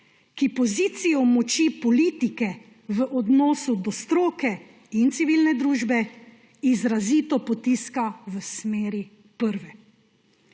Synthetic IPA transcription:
kipɔziːt̪sijɔmɔt͡ʃipɔliːt̪ikɛ | ʋəʔɔd̪nɔːsud̪ɔst̪ɾoːkɛ | int̪siʋiːlnɛd̪ɾuːʒbɛ | izɾaziːt̪ɔpɔt̪iːskaʋəsmeːɾi | pəɾʋɛ

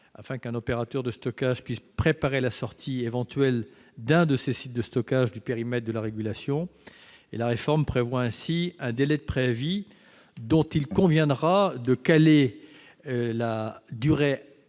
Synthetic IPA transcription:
a̰fɛ̃kɛ̃nɔpeʁat̪œʁd̪əst̪ɔkaʒpɥispχepaʁelasɔʁt̪ʰievɑ̃t̪ɥɛl | d̪ɛ̃d̪əsesit̪̚d̪əst̪ɔkaʒd̪ypeʁimɛt̪̚d̪əlaʁeɡʲylasjɔ̃ | ḛlaʁefɔʁmpχevwaɛ̃siɛ̃d̪elɛd̪əpχevi | d̪ɔ̃t̪ilkɔ̃vjɛ̃d̪ʁad̪əkale | lad̪yʁe

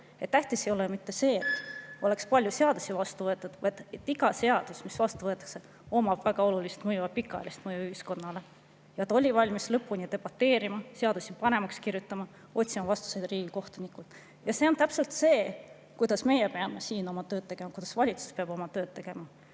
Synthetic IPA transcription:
e̞t̪ːæht̪ise̞jo̞lemit̪ːe̞se̞ːet̪ːo̞le̞kspɑlʲjuse̞ɑd̪̥usivɑst̪uvɤet̪ːˑud̪̥vɑjd̪̥et̪ːˑiɡɑse̞ɑd̪̥usmisvɑst̪uvɤt̪ːˑɑ̥kse | o̞mɑb̥væɡ̥ɑo̞lulist̪mɤjuɑbpikːˑɑ̰ḛlʲist̪mɤjuyhisko̞nːɑle̞ | jɑt̪o̞lʲivɑlʲmislɤpːuniɑd̪e̞b̥ɑt̪ːe̞ːɾimɑse̞ɑd̪̥usipɑne̞mɑkskirjut̪ˑːɑmɑ | o̞t̪ʲsimɑvɑst̪u̥se̞d̪riːɡ̥iko̞ht̪unikult̪ˑ | jɑse̞ont̪æpse̞lt̪se̞ː | kujd̪ɑsme̞jepe̞ɑmesiːno̞mɑt̪øːd̪̚t̪e̞ɡ̥e̞mɑkujd̪ɑsvɑlʲit̪su̥speɑb̥o̞mɑt̪ø̞ːd̪̚t̪e̞ɡ̥e̞mɑ

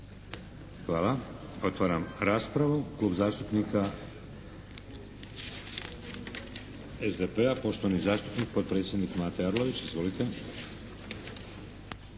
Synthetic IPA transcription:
xʋaːlˠao̞t̪ʋaːɾamɾaːspɾaʋuklˠuːbzaːʃt̪upnika | ezd̪epeapo̞ʃt̪oanizaːʃt̪upnik̚pot̪̚pɾe̞ːt̪sʲje̞d̪nikmaːt̪ejaɾlˠo̞ʋit͡ʃizʋo̞lit̪e

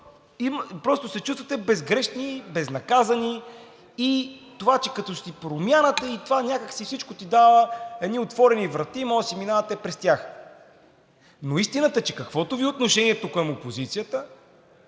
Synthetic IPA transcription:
impɾɔst̪ʊsɛt͡ʃust̪vɐət̪ɛbɛzɡɾɛʃnibɛznɐkazɐniː | t̪ovat͡ʃɛkɐt̪ɔʃt̪ipɾomʲjanət̪ɛit̪ovanʲakəksifsit͡ʃkot̪id̪avəɛd̪niot̪vɔɾɛnivɾɐt̪imɔsiminavɐt̪ɛpɾɛst̪ʲjax | noist̪inət̪ət͡ʃɛkɐkvɔt̪ʊviot̪noʃɛniɛt̪okəmopozit̪sijət̪ə

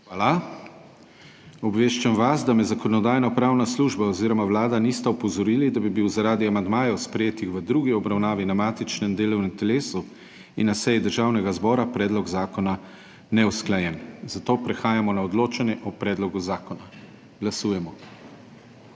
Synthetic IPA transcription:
ʋaːla | ɔbʋeːʃt͡ʃamʋasd̪amɛzakɔnɔd̪aːjnapɾaːwnasluːʒbaɔziːɾɔmawlaːd̪anist̪ɛɔpɔzɔɾiːlid̪abibiwzaɾaːd̪iamand̪maːjɛwspɾɛjeːt̪ixʋəd̪ɾuːɡiɔbɾawnaːʋinamaːt̪it͡ʃnɛnd̪eːlɔwnɛmt̪ɛleːsu | inːasɛjid̪əɾʒaːwnɛɡazbɔːɾapɾɛːd̪lɔɡzaːkɔna | nɛwsklajɛnzat̪oːpɾɛxaːjamɔnaɔd̪loːt͡ʃanjɛʔɔpɾɛːd̪lɔɡuzaːkɔna | ɡ̥lasuːjɛmɔ

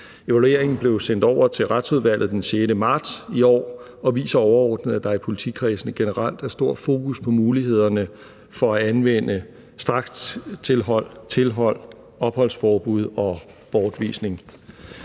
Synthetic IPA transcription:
e̝ʋælue̝ɐ̰eŋn̩b̥le̝ʊsen̰d̥ɒʊ̰ɐt͡sʰe̝lʁad̥suð̞ˠʋæl̰ð̞̩ˠd̥ense̝ːdəmɑ̈ːd̥siɒ̰ː | ɒ̽ʋḭːsɐɒʊɐɒːd̥nəð̩ˠæd̥ɑ̈æɐpʰo̝lit͡sʰikʰʁisn̩ɡ̥e̝nəʁal̰d̥æɐsd̥o̝ɐ̰̥fo̝ːkʰuspʰɒ̽muːlihe̝ð̞̰ˠɐnə | fɒ̽æænʋen̰ə | sd̥ʁɑ̈ɡ̥t͡sʰe̝lɦɒ̽l̰t͡sʰe̝lɦɒ̽l̰ | ɒ̽b̥hɒ̽l̰sfɒːb̥uð̞ˠɒ̽b̥ɒːd̥ʋḭːsne̝ŋ

